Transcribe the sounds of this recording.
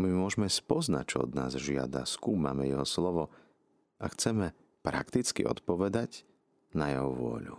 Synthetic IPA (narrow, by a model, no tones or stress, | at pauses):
mimʊɔʒmɛspɔznac̚t͡ʃɔɔ̰d̪na̰ːzʒɪa̰d̪a̰skuːma̰mɛjɛɦɔslɔʋɔ | ʔaxt͡sɛmɛ | pɾa̰kt̪it͡skḭʔɔ̰t̪pɔʋɛd̪ac | najɛɦɔʋʊɔ̰ʎṵ